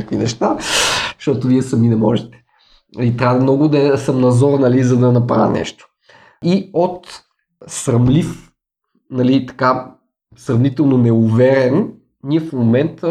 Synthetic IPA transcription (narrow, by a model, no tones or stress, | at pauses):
akvinɛʃt̪aʃt̪ɔt̪ʊviɛsɐminɛmɔ̰ʒɛt̪ɛ̥ | nɐlit̪ɾʲavɐmnɔɡʊd̪ɐsɐmnɐzɔɾnɐlizɐd̪ɐnɐpɾa̰vʲɐ̰nɛ̰ʃt̪o̥ | iot̪ | sɾɐmlif | nɐlit̪ɐ̥ka | sɾɐvnit̪ɛlˠnonɛʊvɛɾɛn | niɛfmomɛnt̪ə